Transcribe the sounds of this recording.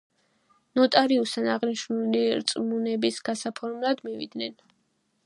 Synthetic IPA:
nɔt̪ʼaɾiust̪ʰanaʁniʃnuliɾt̪sʼmunɛbisɡ̥asapʰɔɾmlˠad̪mivḭd̪nɛn

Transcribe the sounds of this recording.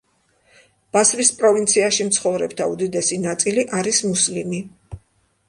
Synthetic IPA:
b̥asɾispʼɾɔvint̪sʰiaʃimt̪sʰχɔvɾɛbd̪ʰaud̪id̪ɛsinat̪sʼiliʔaɾismuslimi

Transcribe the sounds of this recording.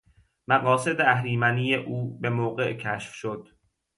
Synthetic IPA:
mæɣɒːse̞d̪eæhɾiːmæniːjeʔuːbe̞moːɢe̞ʔcʰæʃfʃod̪̥

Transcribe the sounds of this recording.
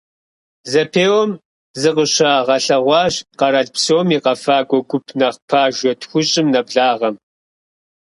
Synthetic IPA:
zɐpʰeːwɔm | zɨqəɕaʁɐɬɐʁʷɑːʑqɐɾɐɮpsowmiːqɐfaːɡʷɔɡʷʊpʰnɐχpʰaːʒʷɔtxʷʊɕʼɪmnɐbɮaːʁɐm

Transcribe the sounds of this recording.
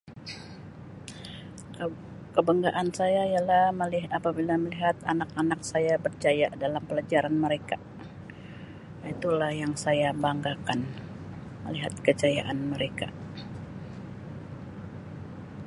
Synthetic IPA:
kəbəŋɡaʔansajaialahməliɦapabilaməliɦat̪anakanak̚sajabərd͡ʒajaʔdalampəlad͡ʒaɾanməɾeka | jait̪ulahjaŋsajabaŋɡakan | mə̰liɦat̪̚kəd͡ʒaja̰ʔanməɾeka̰

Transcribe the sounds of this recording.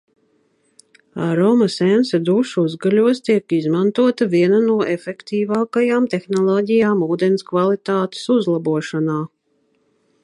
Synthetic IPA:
aɾɔmasɛnsad̪uʃuzɡaʎuɔst̪iɛkizmant̪uɔt̪avʲiɛnanuɔʔefɛkt̪iːvaːkajaːmt̪exnɔlˠɔːɟʲijaːmuːd̪enskvalˠit̪aːt̪e̥suzlˠabuɔʃanaː

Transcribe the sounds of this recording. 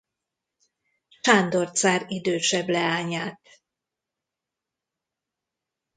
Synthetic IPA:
t͡ʃand̪o̞rt̪saːɾid̪øːʃɛblɛaːɲaːt̪

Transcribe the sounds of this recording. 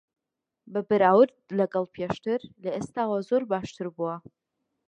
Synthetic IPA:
babɨɾaːwʊrdlakʼalpʰjaʂtʰɨrleʔɨstʰawazorbaːʂtʰɨrbua

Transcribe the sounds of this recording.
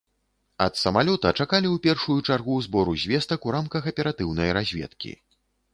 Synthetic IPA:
ɐt̪sɐmalʲɔt̪ɐt͡ʂakalʲiupʲɛrʂujut͡ʂarɣuzbɔɾuzʲvʲɛst̪ɐkuɾamkɐxɐpʲɛɾat̪ɨwnɐjɾazʲvʲɛ̰t̪kʲḭ

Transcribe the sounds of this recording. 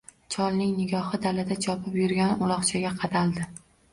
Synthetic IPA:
t͡ʃʰɒlˠnɪŋnɪɡʲɒhɪd̪alad̪at͡ʃʰɒpʰɪpjʊɾɡʲanʊlˠɒχt͡ʃʰaɡʲaqʰɑd̪alˠd̪ɪ

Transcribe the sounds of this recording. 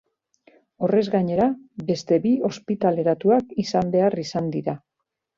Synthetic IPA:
o̞re̞zɡaɲe̞ɾabe̞st̪e̞bio̞spit̪ale̞ɾat̪uakisambe̞arisand̪iɾa

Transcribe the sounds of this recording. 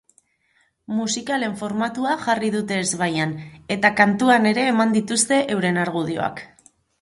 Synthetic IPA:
musikale̞ɱfo̞ɾmat̪uaʝarið̞ut̪e̞ːzβajane̞t̪akant̪uane̞ɾe̞ːmand̪it̪ust̪e̞ʔewɾe̞naɾɣuð̞io̞̰a̰k

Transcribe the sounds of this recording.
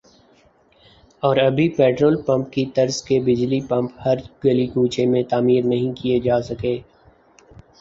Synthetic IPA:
ɔːɾɐbʱipɛːʈɾoːlpɐ̃mp̚kit̪ɐɾzkebɪd͡ʒlipɐ̃mphɐɾɡɐlikũːt͡ʃʰemẽt̪aːmiːɾnɐɦĩkijed͡ʒaːsɐkeː

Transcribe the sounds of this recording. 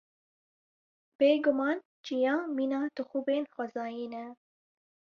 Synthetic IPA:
b̥eːɡʊmɑːn | d͡ʒijɑ̃ːmiːnɑːt̪ɨxuːbeːnxʷɛzɑːjiːnɛ

